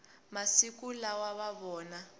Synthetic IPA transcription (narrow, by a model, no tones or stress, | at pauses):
masik̬ulawaβaβɔːna